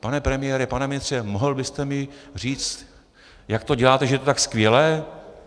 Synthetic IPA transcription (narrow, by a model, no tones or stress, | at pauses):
panɛpɾɛmɪjɛːɾɪpanɛmɪnɪst̪r̝̥ɛmoɦlbɪst̪ɛmɪr̝iːt͡st̪ | jak̚t̪o̞ɟɛlaːt̪ɛʒɛjɛt̪ot̪akskvɪjɛlɛː